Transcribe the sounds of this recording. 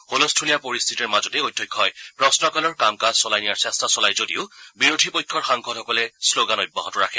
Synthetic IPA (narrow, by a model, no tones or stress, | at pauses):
xolɔstʰulijapoɹist̪ʰitɔɹmazɔtɛojtʰːɔjkʰːɔjpɹɔsnɔkalɔɹkamkaz̥sɔlajnijaɹsɛstʰasɔlajzodiʊbiɹodʱipojkʰːɔɹxaŋkʰɔtɔkɔlɛsloɡanɔj̚ba̰ɦɔtʊɹa̰kʰɛ